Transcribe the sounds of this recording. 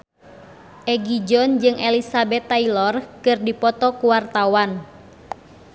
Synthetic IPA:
ʔɛɡid͡ʒɔnd͡ʒɨŋʔɛlisabɛt̪ːailɔrkɨrdipɔt̪ɔkuwart̪awan

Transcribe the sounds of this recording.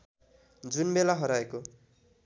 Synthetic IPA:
d͡zunbelaɦʌɾaeko

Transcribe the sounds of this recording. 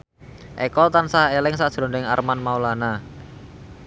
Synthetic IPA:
ʔekɔlt̪ansaelɪŋsadʒ̥ɾɔndɛŋa̰rmanmaulana

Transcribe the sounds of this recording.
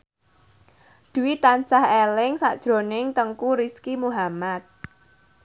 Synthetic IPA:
d̪̥ṳwit̪ansahelɪŋsad̥ʒ̥ɾo̤nɪŋt̪əŋkuɾiskimuɦamat̪̚

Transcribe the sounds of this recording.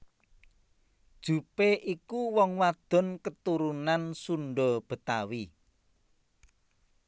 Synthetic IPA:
d̥ʒ̥ṳpeʔikuwɔŋwad̪̥ɔ̤nkət̪uɾunansunɖɔb̥ə̤t̪awi

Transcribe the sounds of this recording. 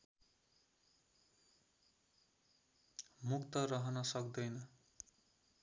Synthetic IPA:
mukt̪ʌrʌɦʌnʌsʌkd̪ʌjnʌ

